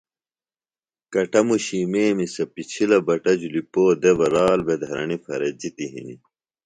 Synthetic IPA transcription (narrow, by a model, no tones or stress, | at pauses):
kɐʈɐmuɕiːmeːmisɐpit͡ɕʰilɐbɐʈɐd͡ʑulipoːd̪ebɐɾaːlbed̪ʱɐɾɐ̰ɳifɐ̰ɾɐd͡ʑit̪iɦḭnḭ